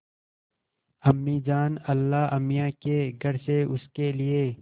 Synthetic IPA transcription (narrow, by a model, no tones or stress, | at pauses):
ɐmːiːd͡ʒaːnɐlːaːɐmijãkeɡʱɐɾseʊskelie